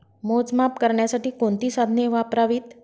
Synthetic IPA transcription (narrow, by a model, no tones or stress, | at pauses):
mod͡zmapkəɾɳjasaʈiːkõnt̪iːsad̪ʱneʋapɾaʋit̪